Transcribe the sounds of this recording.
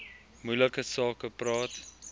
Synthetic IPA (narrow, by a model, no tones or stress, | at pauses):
mujləkəsɑːkəprɑːt